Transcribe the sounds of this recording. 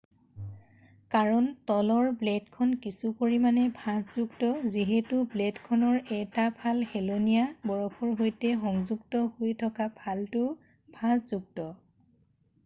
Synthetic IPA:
kaɹɔntɔlɔɹblɛdkʰɔnkisupoɹimanɛbʱãtzuktɔziɦɛtʊblɛdkʰɔnɔɹɛtabʱalhelonijabɔɹɔpʰɔɹɦojtɛxɔŋzuɡtɔhojtʰɔkabʱaltʊ | b̥ʱãtz̥uɡ̚tɔ

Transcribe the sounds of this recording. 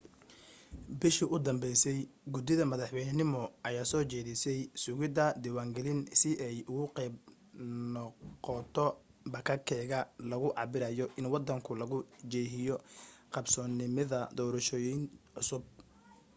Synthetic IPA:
bɪʃiʔʊd̪ɐmbɛjsɛjɡʊd̪ɪðɐmɐðɑħwɛjnɪmɔʔɐjaːsɔːt͡ʃɛːðɪsɛjsʊɣɪd̪ɐd̪iːwaːŋɡɛlɪnsɪʔɛjʊɣʊqɛjb̚ | nɔqɔt̪ʰɔ | bɐkʰɐkʰɛːɣɐlɐɣʊʕɑ̰bɪɾɐjɔʔɪnwɑd̪ɐŋkʰʊlɐɣʊd͡ʒɛːɦɪjɔqɑbsɔːnɪmɐðɐd̪ɔːɾɐʃɔːjinʕʊsʊb̚

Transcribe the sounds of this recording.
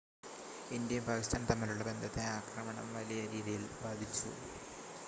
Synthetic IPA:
indijɐmbʱaːkist̪ʰaːnt̪ɐmːiluɭːɐbe̞nd̪ʱɐt̪ːeaːkrɐmɐɳɐ̰mʋɐlijɐɾiːðijilbaːd̪ʱit͡ɕːṵ

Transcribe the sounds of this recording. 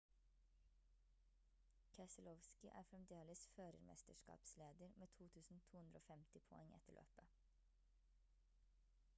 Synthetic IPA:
kʰɛsəlɔʋskɪʔæ̰ːɾfɾɛmd̪eːləsføːɾə̰ɾmʔɛ̰st̪əʃkɑ̰ːpsleːd̪əɾmʔeːt̪ʰuːt̪ʰʉːsn̩t̪ʰuːhʉnd̪ɾəo̰ːfɛmt̪ɪpʰɔɛŋɛ̰t̪əɭʔø̰ːpə

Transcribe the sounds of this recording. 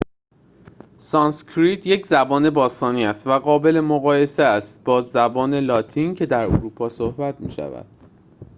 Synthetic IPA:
sɒnskʰɾit̪ʰje̞cʰzæbɒːne̞bɒːst̪ɒːniːæst̪væɣɒːbe̞le̞moɣɒːje̞seæst̪̚bɒːzæbɒːne̞lɒːt̪ʰincʰe̞d̪æɾo̰ɾuːpʰɒːsohbæt̪ʰmḭːʃæ̰væ̰d̪̥̚

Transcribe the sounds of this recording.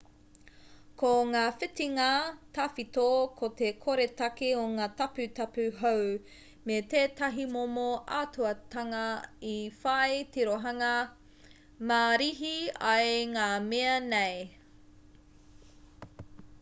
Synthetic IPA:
koŋaːfɪtiŋɐt̪ʰafitokʰot̪ekʰoɾetɐkioŋaːtɐpʉt̪ɐpʉɦow | met̪eːtɐɦimomoʔatuɐt̪ɐŋɐifɐjtiɾoɦɐŋɐ | maɾiɦiɐjŋaːmeɐnej

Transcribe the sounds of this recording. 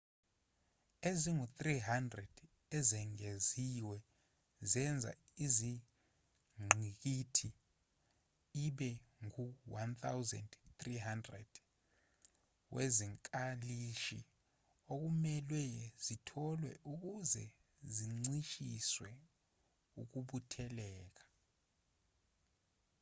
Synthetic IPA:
eziŋut̪riɦandrɛd̥ | ɛzɛŋeziwɛ | zɛnd͡zʱa̰izi | ŋ͡ǀʱik̬itʰi | iɓɛŋuwant̪ʰawzɛ̰ndt̪riɦandrɛ̰d̥ | wʔeziŋkʼaliʃi | ok̬umɛlwɛz̥itʰɔlwɛ̰ʔuk̬uzɛ̰ | ziŋ͡ǀiʃiswɛ | uk̬uɓutʰɛlɛːk̬ḁ

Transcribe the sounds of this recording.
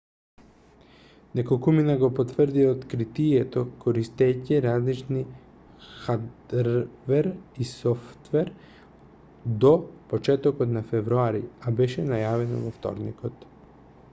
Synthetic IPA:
nɛkolkuminaɡɔpɔt̪vr̩d̪iaot̪kɾit̪ijɛt̪ɔkɔɾist̪ɛjciɾazlit͡ʃni | xad̪ | vɛɾisɔft̪vɛɾ | d̪ɔpɔt͡ʃɛt̪ɔkɔt̪nafɛvɾuaɾḭabɛʃɛnajavɛnɔ̰vɔft̪ɔ̰ɾnḭkɔt̪

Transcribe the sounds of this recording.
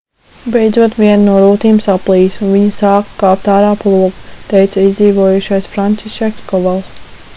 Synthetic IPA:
bɛjd̪zuɔt̪viɛnnuɔɾut̪iːmusaplˠiːsunviɲɐsaːkkːɑːpt̪aːɾaːplˠuɔɡu̥t̪ɛjt̪saizd̪ziːʋuɔjuʃajsfɾant͡ʃisɛkskɔvalˠ

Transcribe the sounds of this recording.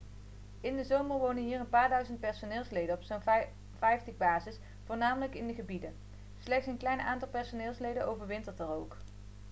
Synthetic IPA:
ɪndəzowməɹʋownənɦiːrənpaːɹdœɥzənt̚pɛɹsonɪːlˠslejdənɔpson | vɛjftəbaːzɪs | fʊːɹnaːmələkɪndəχəbidə | slɛxtsənklɛjnaːntɑlˠpɛɹsonɪːlˠslejdənʔowvəɹʋɪntəɹtərowk

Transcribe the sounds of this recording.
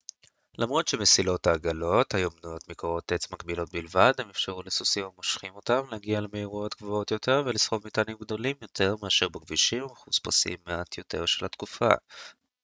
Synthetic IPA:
lamʁo̞tʃemesilothaːɡalo̞thajombnujo̞tmikoʁo̞t̪et͡smaɡbilo̞t̚bilvadhemefʃeʁulesusimamoʃχimo̞tamleaɡialemeiʁo̞tɡ̥voo̞tjo̞tʰe̞ʁvelisχo̞vmitanimɡdo̞limjo̞tʰe̞ʁmeaʃeʁbeɡviʃimmaχuspasḭmːeat̪ʰjo̞tʰe̞̰ʁʃelatkufa̰

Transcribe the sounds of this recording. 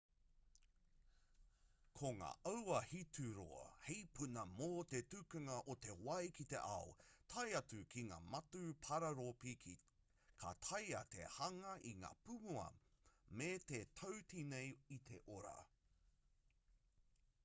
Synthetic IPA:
kʰoŋa̰ːʔɐwɐhitʰʉɾo̰ɐ̰hejpʰunɐmoːt̪etʉkɐŋɐʔot̪e̞wɐjkʰit̪e̞̰ʔaot̪ʰɐjɐtʉkʰiŋa̰ːmɐtupʰɐɾɐɾopikʰi | kʰa̰t̪ʰɐjɐt̪ʰḛhɐŋɐʔiŋa̰ːpumuɐ̰met̪et̪ʰowtʰinejit̪ʰe̞ʔoɾa̰

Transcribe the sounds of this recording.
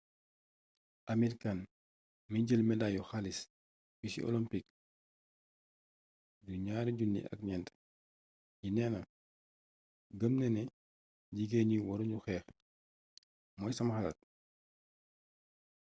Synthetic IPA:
ʔamiɾikan | miɟəlmɛdajɔxalis | bisḭʔɔ̰lɔmpik | duɲaːɾiɟunːḭʔɐ̰k̚ɲɛnt | jinɛːnɐ | ɡəmnɛnɛ | ɟiɡeɲiwɔɾuɲɟuxɛːx | mɔjsɐmxɐlɐ̰t̚

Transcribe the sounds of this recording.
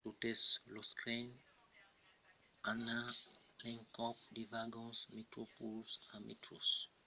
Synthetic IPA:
tuteslɔskɾen | ana | lɛ̃ŋkɔp̚divaɡɔ̃nsmetɾopulsãmʔḛtɹos

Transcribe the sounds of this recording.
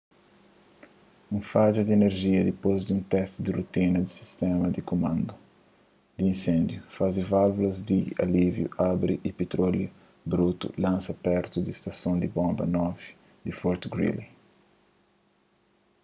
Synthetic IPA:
ũfad͡ʒud̪ieneɾʒiɐd̪ipozd̪iũnt̪ɛst̪d̪irut̪ĩnɐd̪isi̥st̪ɛmɐd̪ikomãnd̪u | d̪iĩnsẽnd̪jufazivalvulɐzd̪ia̰livjṵʔabɾiʔipet̪ɾolju | bɾut̪ṵlãnsɐpɛɾt̪ud̪ist̪ɐsõnd̪ibõmbɐ̰nɔvi̥ | d̪ifɔɾt̪ɡɾḭli

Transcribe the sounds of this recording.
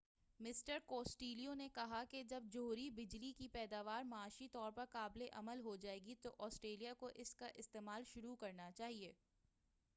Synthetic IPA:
mɪsʈəɾkoːsʈiːliõnekɐɦaked͡ʒɐb̚d͡ʒoːɾibɪd͡ʒlikipɛːd̪aːʋaːɾmɐaːʃit̪ɔːɾpɐɾkaːbleʔɐməlɦod͡ʒaːeːɡit̪oʔɔːsʈɾeːlijakoʔɪskaʔɪst̪eːmaːlʃʊɾukɐɾnat͡ʃaːɦieː

